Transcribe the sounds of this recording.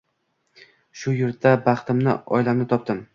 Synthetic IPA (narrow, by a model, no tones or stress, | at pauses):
ʃʊjʊɾabɑχt̪ʰɪmnɪ̰ɒjlamnɪt̪ʰɒp̚t̪ɪm